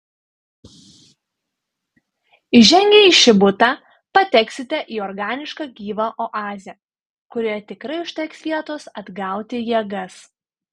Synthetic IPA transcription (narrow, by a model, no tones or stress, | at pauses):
ʒʲɛŋʲɡʲeːiːʃʲɪbʊt̪ɑ | pɐt̪ʲɛksʲɪt̪ʲɛʔiːɔɾɡɑːnʲɪʃkɑːɡʲiːʋɐʔɔʔɑːzʲɛ | kʊɾʲeːɛt̪ʲɪkɾɐɪʊʃʲt̪ʲɛksʲʋʲiɛt̪oːsɐd̪ɡɑˑʊt̪ʲɪjɛɡɐs